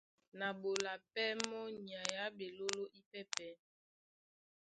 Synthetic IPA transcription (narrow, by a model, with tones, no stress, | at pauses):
na˨bo˨la˨pɛ˦mɔ˦ɲ˨a˨ja˦be˨lo˦lo˦ʔi˦pɛ˦pɛ˨˦